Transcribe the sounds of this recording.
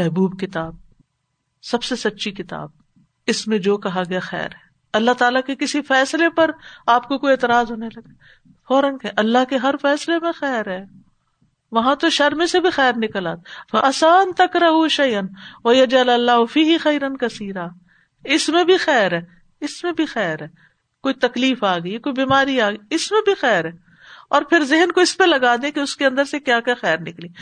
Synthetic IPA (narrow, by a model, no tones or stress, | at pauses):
mɛɦbuːbkɪt̪aːb̚ | sɐbsesɐtːʃʰikɪt̪a̰ːb̚ | ɪsmẽd͡ʒoːkɐɦaɡɐjaxɛ̰ːɾɦɛː | ɐlːaɦt̪aːlakekɪsifɛːslepɐɾaːp̚kokoieːt̪ɪɾaːzɦoːnelɐɡaː | fɔːɾənkɛʔɐlːaɦkeɦɐɾfɛːslemẽxɛːɾɦɛː | ʋɐɦãt̪oʃɐɾmẽsebʱixɛːɾnɪkəlaːt̪fɐʔɐsaːnt̪ɐkɾɐɦuʃɐjənʋɐjɐd͡ʒɐlɐlːaːɦʊfiːɦɪxɐjɾɐnkɐsiːɾaː | ɪsmẽbʱixɛːɾɦɛː | ɪsmẽbʱixɛːɾɦɛː | koːit̪ɐkliːfaːɡəikoːibiːmaːɾiaːɡiɪsmẽbʱixɛːɾɦɛː | ɔːɾpʰɪɾzɪɦnkoɪspelɐɡaːd̪ẽkeʊskeɐ̃nd̪əɾsekjaːkjaxɛːɾnɪkliː